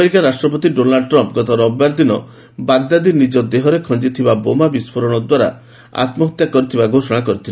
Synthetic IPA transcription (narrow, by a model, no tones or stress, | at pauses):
ɾikaɾasʈɾɔp̬ɔt̪iɖonaɖʈɾɔmpɡɔt̪ɔɾɔbjaɾd̪inɔ | baɡd̪ad̪inid͡ʒɔd̪eɦɔɾekʰɔnd͡ʒit̪ʰibabomabispʰɔɾɔɽ̃ɔd̪waɾa̰ | a̰t̪mɔɦɔt̪jakɔɾit̪ʰibaɡʱosɔɽ̃ak̬ɔɾit̪ʰil